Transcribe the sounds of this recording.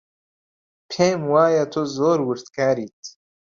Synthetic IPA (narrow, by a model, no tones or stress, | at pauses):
pʰeːmwaːjat̪ʰuzoːɾwɨɾt̪kaːɾiːt̪